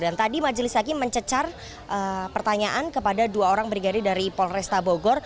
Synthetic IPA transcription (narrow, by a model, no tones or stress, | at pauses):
dant̪adimad͡ʒəlɪsakiməɲt͡ʃət͡ʃar | ʔəpərt̪aɲaʔankəpadaduaoɾaŋbɾiɡadɪdaɾipɔlrɛst̪aboɡɔr